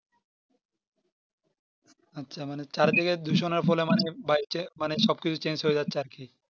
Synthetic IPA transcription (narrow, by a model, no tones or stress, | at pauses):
atːɕʰamanet͡ɕaɾd̪ʰeked̪uʃoneɾfɔlemanebajt͡ɕemaneʃɔb̚kit͡ɕʰut͡ɕend͡ʑɦoed͡ʑatːɕʰaɾkʰi